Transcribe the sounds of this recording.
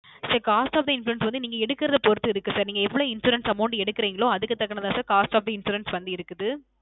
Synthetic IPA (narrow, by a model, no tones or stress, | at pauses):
sɐːɾkaːsʈaːfd̪ɐɪnfluɛnsʋɐnd̪ɯniːŋɡɐɛɽɯkːɪɾɐðɐpɔɾɯt̪ːɯɪɾɯkːɯsaːɾniːŋɡɐɛʋːɐɭõɪnsuːɾɐnsɐmɐːɳɖɯɛɽɯkːɪɾeːŋɡɐɭoːɐðɯkːɯt̪ːɐkːɐɳɐðãːsaːɾkaːsʈaːfðɐɪnsuːɾɐnsʋɐnd̪ɯɪɾɯkːɯðɯ